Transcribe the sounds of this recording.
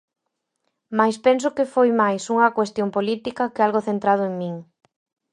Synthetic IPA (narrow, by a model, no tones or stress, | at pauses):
majspens̬ʊkɪfojmajsuŋɐkwest̪jompolit̪ikɐkɪalɣoθent̪ɾað̞ʊeŋmĩŋ